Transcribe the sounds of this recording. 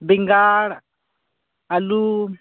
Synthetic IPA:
biŋɡaɺ | alu

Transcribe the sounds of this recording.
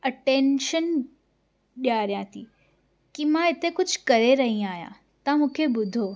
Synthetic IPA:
ɐʈeːnʃən | ɗjaːɾjãːt̪ʰiː | kimãɪt̪ekʊd͡ʑʱkɐɾeɾɐɦĩaːɦjã̰ | t̪ãmũːkʰebʊd̪ʱoː

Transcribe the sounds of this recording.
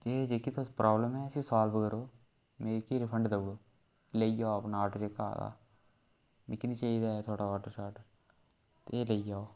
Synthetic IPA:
d͡ʒeːd͡ʒeːkiːt̪ʰoːspɾʔaːbləmɦɛːsĩːsaːlbkəɾoː | meːɾkiɾɪpʰəɳɖd̪əbɽoː | ləid͡ʒaːpnaːʈːd͡ʒeːka̰ːd̪a̰ː | mɪkːniːt͡ʃaːid̪aːet̪ʰoːɽaaːʈoʃaːʈ | t̪eeːləid͡ʒaːoː

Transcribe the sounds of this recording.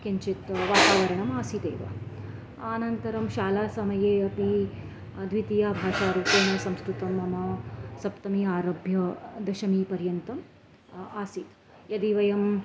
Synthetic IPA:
keɲt͡ʃit̪ʋaːt̪aːʋɐɾɐɳɐmaːsit̪eːʋɐ̰ | aːnɐnt̪ɐɾɐmʃaːlaːsɐmɐjeːɐpi | d̪ʋit̪ijaːbʱaːʃaːɾuːpeːnɐsɐmskɾut̪ɐmɐmɐsɐpt̪ɐmiaːɾɐːbʱjɐd̪ɐʃɐmipɐɾjɐnt̪ɐm | aːsit̪ | jɐd̪iʋɐjɐm

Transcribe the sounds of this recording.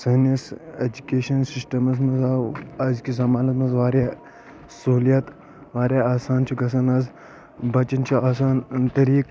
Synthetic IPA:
sɐnised͡ʒukʲeːʃɐnsisʈɐmɐsmɐzaːɐzkizɐmaːnɐt̪mɐzʋaːɾʲaː | sɐulijat̪ | ʋaːɾʲjaːaːsaːnt͡ʃʰuɡɐs̬ɐnɐz | bɐt͡ʃɐnt͡ʃʰuaːsaːnt̪ɐɾiːk

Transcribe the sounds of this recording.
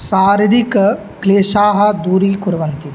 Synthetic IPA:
saːɾid̪ikɐ | kleːʃaːɦɐ̆d̪uːɾiːkuɾʋɐnt̪i

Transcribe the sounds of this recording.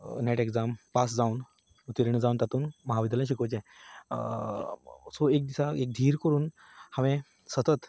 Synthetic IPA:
neʈeɡd͡zampas̬d͡zauːn | ut̪iɾiɳd͡zauːnt̪at̪uːnməɦaʋid̪lãɕ̬ikət͡ɕẽ | soek̚d̪isaek̚d̪ʱiːɾkəɾuːn | hãʋẽ | sət̪ət̪

